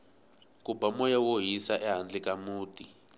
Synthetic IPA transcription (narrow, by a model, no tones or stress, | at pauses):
kubamɔjawoɦisaʔɛɦand͡ɮɛkamuːtʼi